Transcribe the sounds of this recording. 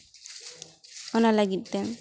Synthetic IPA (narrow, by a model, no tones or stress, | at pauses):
ɔnalaɡit̪̚tɛŋ